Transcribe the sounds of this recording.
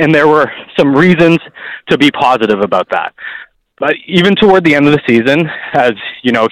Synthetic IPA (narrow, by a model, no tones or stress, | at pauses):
ɨ̃nðə˞wə˞sʌ̃mɹizɨ̃nz̥tʰɨbipʰɑzɨɾɨvəbaʊt̪̚ðæ̰t̚ | b̥ʌɾivɨ̃ntʰəwɔɹd̪̚ðiɛ̃ndʌvðɨsizɨ̃nɨzjɨñoʊ